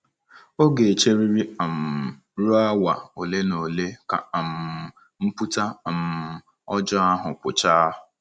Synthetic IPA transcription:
o˦ɡe˨t͡ʃe˦ɾi˦ɾi˦a˨m̩˨ | ɾu˦a˦wa˨o˨le˦no˨le˦ka̰˨a˨m̩˨ | m̩˦pu˦ta˦˨m̩˨ | ɔ˦d͡ʒɔ˦a˦ɦʊ˨kʷʊ̰˨t͡ʃa˦ʊ˨

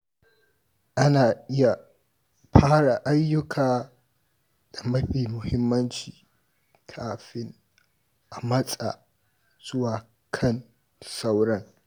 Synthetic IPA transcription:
ʔa˦naː˨ʔɪ˦ja˨ | ɸʰaː˦ɽa˨ʔa˦jːʊ˦kʰaː˨ | d̥a˨mɐ˦ɸiː˨mʊ˨hɪ˦mːɐ˦nt͡ʃiː˨ | kʰaː˨ɸɪ˦ŋ | ʔa˨mɐ˦sʼa̰˨ | z̥ʊ˦waː˨ | kʰɐ˦n˨ | sa˦wɽɐ˦ŋ

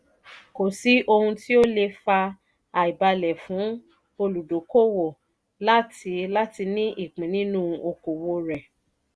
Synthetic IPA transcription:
ko˨si˨˦ʔo˧hũ˧ti˦o˦le˧fa˧ | a˨i˨ba˧lɛ˨fũ˨˦ | o˧lu˨do˨˦ko˦wo˨ | la˦tʰi˧la˦ti˧nĩ˦ʔi˦˨k͡pĩ˨nĩ˦nũ˦˧o˧ko˨wo˧ɾɛ˨

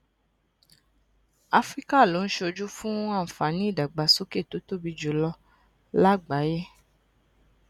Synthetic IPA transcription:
a˧fɾi˦ka˦˨lo˨˦n̩˦ʃo˧d͡ʒu˦fũ˦a˦˨m̩˨fa˨˦nĩ˦˨da˨ɡ͡ba˨˦so˦ke˦˨to˨˦to˦bi˧d͡ʒo˨˦lɔ˧ | la˦ɡ͡ba˨˦je˦

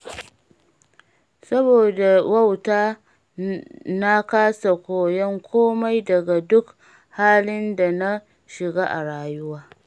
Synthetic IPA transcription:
sɐ˦boː˨da˨wɐ˦wtaː˦ | na˦kaː˦sa˨kʷoː˨jɛ˦ŋkʷʰoː˦ma˦jdɐ˨ɡa˨dʊ˦k | haː˦lɪ˦nda˨na˦ | ʃɪ˨ɡaː˦ʔa̰˨ɽaː˨jʊ˦waː˦

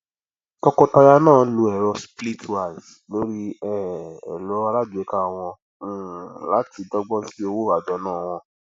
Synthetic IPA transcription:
tɔ˧kɔ˧ta˧ja˧nãː˦˨lo˧ɛ˨ɾɔ˧spli˦tʰwa˨z | lo˦ɾi˦ɛ˦ɛ̰˨lɔ˨˦a˧ɾa˦du˨ɛ˨˦ka˦˧w̃ɔ̃˧˦˨ | la˨˦ti˨˧dɔ˧ɡ͡bɔ̃˦si˦o˧wo˦˨a˨d͡ʒɔ˨˦nãː˦˨w̃ɔ̃˧

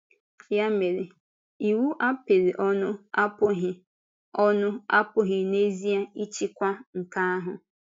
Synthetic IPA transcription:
ja˦me˨ɾɪ˨ | i˨wu˦ʔa˦pɪ˨ɾi˨ʔɔ˦nʊ˦a˦pʊ˦ɦɪ˨ | ɔ˦nʊ˦a̰˦pʊ˦ɦɪ˨ne˦zi˦a˦i˦t͡ʃi˦kʷa˦ŋ̩˨ka˦a˦ɦʊ˨

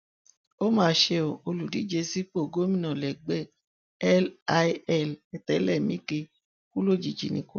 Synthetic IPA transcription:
o˦mãː˦˨ʃe˧˦o˨o˧lu˨di˨˦d͡ʒe˧si˦k͡po˦˨ɡo˨˦mĩ˦˨nã˨lɛ˨ɡ͡bɛ˦˨ | ɛ˦lɛ˦˨lɛ˧˨tɛ˨˦lɛ˦˨mĩ˨˦ke˧ | ku˦lo˦˨d͡ʒi˨d͡ʒḭ˨nḭ̃˨˦ku˦

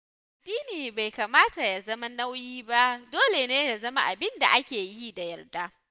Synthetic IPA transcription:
ʔa˨dːiː˦niː˨ba˨jka˨maː˦ta˨ja˨zɐ˦ma˦na˦wjiː˦ba˦ʔdoː˦le˨neː˦ja˨zɐ˦ma˦ʔa˨bɪ˦nda̰˨ʔa˦kʲeː˨ji˦da˨jɐ˨rdaː˦

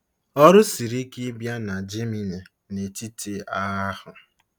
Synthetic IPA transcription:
ɔ˦ɾʊ˦si˨ɾi˦ki˦bja˦na˨d͡ʒe˦mi˨ne˨ | ne˨ti˦te˦a˦a˦hʊ˨

